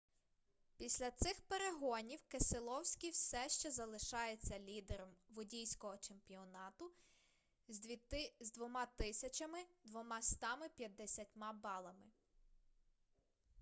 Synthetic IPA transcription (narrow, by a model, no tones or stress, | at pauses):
pʲisʲlʲɐt̪sɪxpeɾeɦɔnʲiwkeselˠɔwsʲkʲiwsɛʃt͡ʃɛzɐlˠɪʃɑjet͡sʲːɐlʲid̪eɾɔmʋʊdʲijsʲkɔɦɔt͡ʃe̞mpʲiɔnɑt̪ʊ | zʲd̪ʋʲit̪ɪzd̪ʋɔmɑt̪ɪsʲɐt͡ʃɐmɪd̪ʋɔmɑst̪ɑmɪpʲjɐd̪ːesʲɐtʲmɑbɑlˠɐmɪ